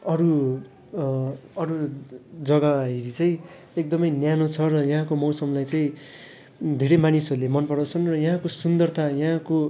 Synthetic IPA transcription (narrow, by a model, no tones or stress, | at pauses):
ʌɾu | ʌɾud͡zʌɡaɦiɾit͡saĩ | ek̚d̪ʌmʌjnjanot͡sʰʌɾʌjʌ̃ɦãkomʌwsʌmlajt͡saĩ | d̪ʱeɾʌjmanisʌɾulemʌnpʌɽawt͡sʰʌnrʌjʌɦãkosund̪ʌrt̪ʰajʌɦãko